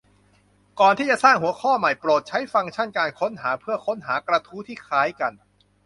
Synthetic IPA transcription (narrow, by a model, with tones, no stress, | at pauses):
kɔː˨˩nt̪ʰiː˥˩t͡ɕa˨˩saː˥˩ŋhu˩˦ɐkʰɔː˥˩ma˨˩jpɾoː˨˩t̪̚t͡ɕʰa˦˥jfa˧ŋt͡ɕʰa˥˩nkaː˧nkʰo˦˥nɦaː˩˦pʰɯ˥˩ɐkʰo˦˥nɦaː˩˦˥kɾa˧t̪ʰuː˦˥t̪ʰiː˥˩kʰaː˦˥jka˧n